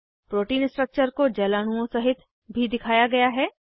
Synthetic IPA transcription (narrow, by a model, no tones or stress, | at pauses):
pɾoːʈiːnsʈɾək̚t͡ʃəɾkod͡ʒɛːlaːɽ̃uõsɐɦɪt̪ | bʱid̪ɪkʰaːjaɡɐjaɦɛː